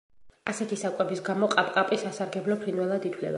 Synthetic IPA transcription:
a̰sɛt̪ʰisakʼɛbisɡamɔqʼapʼqʼapʼisasaɾɡɛblɔpʰɾinvwɛlˠad̪it̪ʰlɛ̰ba̰

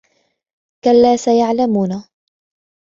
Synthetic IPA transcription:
kalːaːsajaʕlamuːna

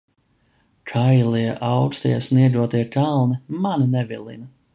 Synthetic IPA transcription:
kʰajlˠiɛʔawkst̪ja̰sniɛɡ̪uɔt̪iɛkʰalˠnimaninɛvʲḭlˠḭnɐ

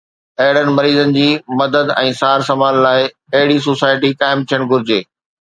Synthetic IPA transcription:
ɐɦɪɽənɪ̆mɐɾiːzənɪ̆d͡ʑiːmɐd̪əd̪ɛ̃ːsaːɾsɐmaːllaːɪ | ɐɦɪɽis̬oːsaːɪʈikaːɪmt̪ʰijəɽ̃ɡʱʊɾɪd͡ʑeː

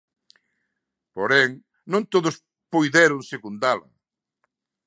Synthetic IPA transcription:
poɾɛŋ | nõnt̪oðʊs | pojðɛɾʊŋsekund̪alɐ̰

